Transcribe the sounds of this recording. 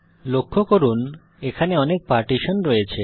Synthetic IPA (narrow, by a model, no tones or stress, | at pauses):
lokʰːokoɾun | ekʰaneɔnek̚paɾʈiʃonɾɔet͡ɕʰe